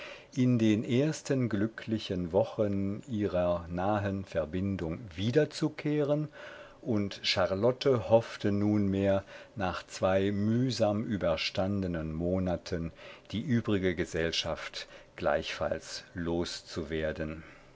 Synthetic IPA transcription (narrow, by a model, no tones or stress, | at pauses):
ʔɪndeːnʔeːɐstənɡlʏkʰlɪçənvɔχənʔiːʁɐnaːɦənfɛɐbɪndʊŋviːdɐt͡sukʰeːʁən | ʔʊntʃaʁlɔtʰəhɔftənuːnmeːɐnaːχt͡sv̥aɪmyːzaːmʔyːbɐʃtandənənmoːnatʰənd̥iːʔyːbʁɪɡəɡəzɛlʃaftɡ̥la̰ɪçfa̰lsloːst͡suveːɐdən